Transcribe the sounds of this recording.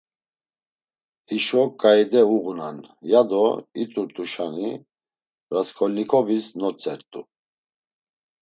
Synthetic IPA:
iʃɔkʼajd̪ɛuɣunanjad̪ɔit̪ʼuɾt̪ʼuʃani | ɾaskʰʼɔlnikʰʼɔvisnɔt͡sʼɛɾt̪ʼu

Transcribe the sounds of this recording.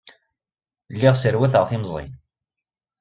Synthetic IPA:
lːiʁsəɾwæθʁθimzˤḭn

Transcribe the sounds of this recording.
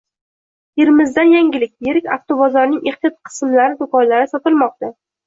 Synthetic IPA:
jeɾmɪzd̪anjaŋɡʲɪlɪk̚ʲjeɾɪkʲaft̪obɒzɒɾnɪŋeχt̪ijɒt̪̚qʰɨ̥smlaɾɪd̪ʊkɒlːaɾɪsɒt̪ɪlˠmɒq̚t̪a

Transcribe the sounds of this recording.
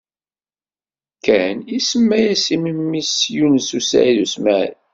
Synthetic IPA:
kːænisəmːæjæsimimːisjunsusæ̰iðusmæ

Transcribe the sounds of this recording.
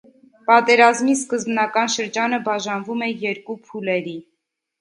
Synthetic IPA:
pɑt̪ɛɾɑzmiskəzbnɑkɑnʃəɾd͡ʒɑnəbɑʒɑnvumɛjɛɾkupʰulɛɾi

